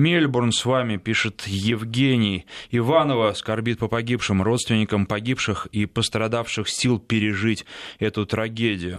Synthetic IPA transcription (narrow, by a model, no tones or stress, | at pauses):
mʲelʲbʊrnsvamʲɪpʲiʂɨt̪jɪvɡʲenʲɪjɪvanəvəskɐrbʲit̪̚pəpɐɡʲipʂɨmro̞t̪st̪vʲɪnʲɪkəmpɐɡʲipʂɨxipəst̪ɾɐd̪afʂɨxsʲilˠpʲɪɾʲɪʐɨtʲɛt̪ʊt̪ɾɐɡʲedʲɪjʊ